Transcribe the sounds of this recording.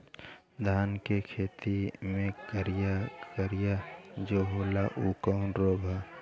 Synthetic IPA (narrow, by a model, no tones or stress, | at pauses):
d̪ʱaːnkekʰeːt̪imẽkəɾjakəɾjad͡ʒoɦoːlaʔukanɾoːbʱa